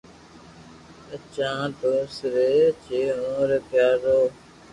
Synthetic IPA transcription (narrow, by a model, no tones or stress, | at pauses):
ət͡ʃãːt̪oːsɾeːt͡ʃeːɦõːɾəkjaːɾoː